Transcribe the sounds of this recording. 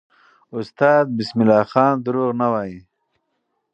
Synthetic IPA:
ʊst̪ɑːd̪̚bismilɑːxɑːnd̪ʊɾuːʁnawaːji

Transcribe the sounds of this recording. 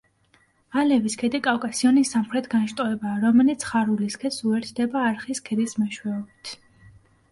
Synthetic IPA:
alɛviskʰɛd̪ikʼawkʼasiɔnisːamχɾɛt̪ʰɡanʃt̪ʼɔɛbaːɾɔmɛlit̪sʰχaɾuliskʰɛt̪suɛɾt̪ʰd̪ɛbaːɾχiskʰɛd̪ismɛʃwɛɔbit̪ʰ

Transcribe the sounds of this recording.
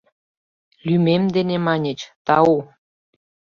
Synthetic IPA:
lymemd̪enemɑnʲə̆t͡ɕt̪ɑu

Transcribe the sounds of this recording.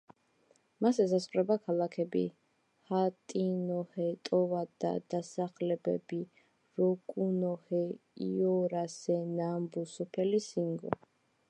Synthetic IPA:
masɛzasχʼɾɛbakʰalˠakʰɛbḭ | hat̪ʼinɔhɛt̪ʼɔvad̪a̰d̪asaχlɛbɛ̰bi | ɾɔkʼunɔhɛiɔɾasɛnambusɔpʰɛlisiŋɡɔ̰

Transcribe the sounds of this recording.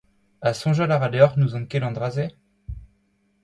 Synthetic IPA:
asɔ̃ʒalaʁad̪œʁnuzɔ̃kɛlɑ̃d̪ʁaze

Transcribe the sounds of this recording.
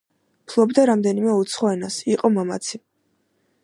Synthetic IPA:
pʰlˠɔbd̪aɾamd̪ɛnimɛut̪sʰχɔɛnasiqʼɔmama̰t̪sʰi

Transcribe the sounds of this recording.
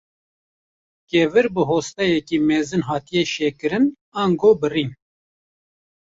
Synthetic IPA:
keːvɨɾbɨɦoːst̪ɛjɛkiːmeːzɨnɦɑːt̪ijeʃeːkɨɾɨn | aːŋɡoːbɨriːn

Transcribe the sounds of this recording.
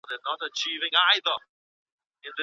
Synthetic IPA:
ðənəɾət͡ʃʰivɪ̃ŋaɪðə | ɪ̃nðɨ

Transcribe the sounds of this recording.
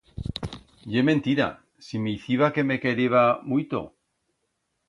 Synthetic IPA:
ʝemẽ̞nt̪iɾa̰ | simeiθiβake̞me̞keɾeβamujt̪o̰

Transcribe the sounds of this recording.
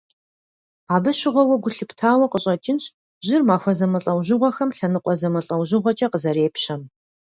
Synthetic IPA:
aːbɨɕɪʁʷɔwɐɡʷʊɬɨptʰaːwɐqəɕʼɐt͡ʃʼɪnɕʼ | ʑɪrmaːxʷɔzɐmɐɬʼɐwʑɪʁʷɔxɐmɬɐnɨqʷʼɔzɐmɐɬʼɐwʑɪʁʷɔt͡ʃʼɐqəzɐɾeːpɕɐm

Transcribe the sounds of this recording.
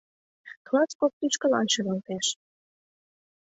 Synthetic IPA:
klɑskop̚t̪ut͡ɕkə̆lɑ̰nʃə̆ɣɑlt̪eʃ

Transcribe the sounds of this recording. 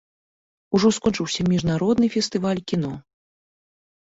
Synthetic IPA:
uʐɔskɔnt͡ʂɨwsʲɐmʲiʐnaɾɔd̪nɨfʲɛst̪ɨvalʲkʲin̪ɔ

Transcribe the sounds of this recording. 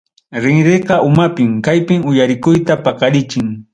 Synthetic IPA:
ɾɪŋɾeqɑʔʊmapɪmkajpɪmʊjaɾɪkʊjt̪apɑqɑɾɪt͡ʃɪŋ

